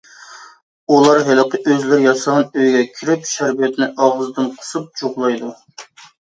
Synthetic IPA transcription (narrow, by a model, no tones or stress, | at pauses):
ulˠɑɾɦɪlɨqʰəʔøzlɪɾɪjɑsɑʁɑnøjɡʲɛkʲʰiɾɪpʃæɾbiɛt̪nɪʔɑʁəzd̪ɨnqʰə̥sup̚t͡ʃʰoʁlˠɑjd̪u